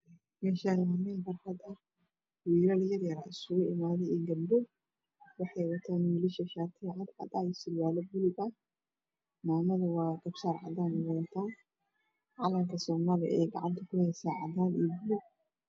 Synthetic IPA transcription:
mɛːʃaːnhɐmɛːnfɐrħɑd̪ɐh | wiːɾɐljɐrjɐɾaʔɪsʊɣʊʔɪmaːðɛɪŋɡɐbdɛ | wɑħɑjwɐt̪ʰaːnmiːlɪʃɐʃaːt̪ʰɪʕad̪ʕɑ̰d̪aːjɪsɪlwaːlɐbʊlɪɡɐ | maːmɐðɐwɑːɡɐbsaːɾʕɑ̰d̪aːnwɐwt̪ʰaːn | ʕɑlɐmkʰɐsɔːmaːlɪ̰ʔɛ̰jɡɑ̰ʕɑ̰nt̪ʰɐkʰʊhɛjsaːʕɑ̰d̪aːnibʊʊ

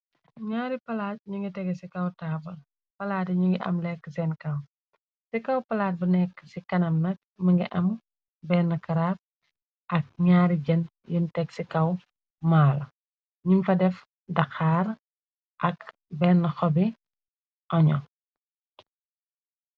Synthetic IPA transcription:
ɲaːɾipɐlaːt̚ɲuŋɡitɛɡɛsikɐwtaːbɐ | pɐlaːtiɲuŋɡiʔɐ̰mlɛkːəsɛnkɐw | sikɐwpɐlaːt̚bɐnɛkːsikɐnɐmnɐk̚mɐŋɡiʔɐm | bɛːnːɐkɐɾaːp̚ | ʔɐk̚ɲaːɾiɟɐn | juntɛɡsikɐw | maːlɐ | ɲumfɐdɛf | dɐxaːr | ʔɐk | bɛːnːɐxɔbi | ʔɐɲɔ

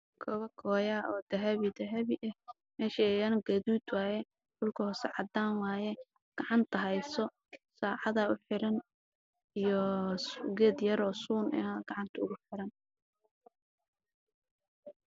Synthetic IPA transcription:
kʰɔβɐkʰɔːjaːɔːd̪̥ɐɦɐβid̪ɐɦɐβiʔɐh | mɛːʃiɛjɐnɐɡɐðuːd̪waːjɛ | d̥ʊlkʰɐhɔːsɛʕɑd̪aːnwaːjɛ | ɡ̥ɑʕɑnt̪ʰɐɦɛjsɔ | saːʕɑðɐʊħɪɾɐn | ijɔ | ɡɛːd̪jɐɾɔːsuːnɪ̰ɐɡ̥ɑʕɑnt̪ʰɐʊɣʊħɪɾɐn

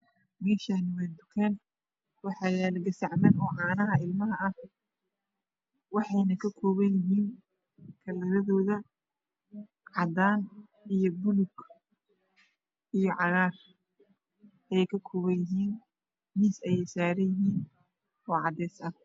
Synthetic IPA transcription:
mɛːʃanwɛːjd̪ʊkʰɛːn | wɑħɑːjɛːlɡɐsɐʕmɐnɔːʕɑːnɐɦɐɪlmɐɦɐɐh | wɑħɑjnɐkʰɐkʰɔːβɐjɪɦiːn | kʰɐlɐɾɐðɔːðɐ | ʕɑd̪aːn | ijɔbʊlʊɡ | ijɔʕɑɣaːr | ʔɛjɛjkʰɐkʰɔːβɐjɪɦiːn | misɛjɛjsaːɾɐjɪɦiːn | ɔːʕɑd̪ɛːsɐ

